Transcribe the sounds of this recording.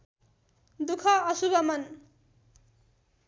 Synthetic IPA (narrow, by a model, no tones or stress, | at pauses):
d̪ukʰʌʌsubʌmʌn